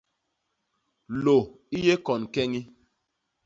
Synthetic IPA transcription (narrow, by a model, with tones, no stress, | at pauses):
lo˨ | i˦je˦kɔ˨nkɛ˦ŋi˦